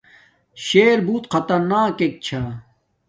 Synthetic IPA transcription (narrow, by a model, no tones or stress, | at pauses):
ɕeːɾbuːt̪qʰɐt̪ɐɾnaːkek̚t͡ɕʰa